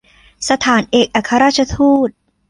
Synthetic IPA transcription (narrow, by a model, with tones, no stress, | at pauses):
sa˧t̪ʰaː˩˦nʔeː˨˩k̚ʔa˨˩kʰːa˧ɾaː˥t̪̚t͡ɕʰa˧t̪ʰuː˥˩t̪̚